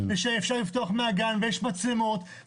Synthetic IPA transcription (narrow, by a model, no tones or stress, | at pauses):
veʃeefʃaʁlift̪oaχmeaɡanvejeʃmat͡simot̪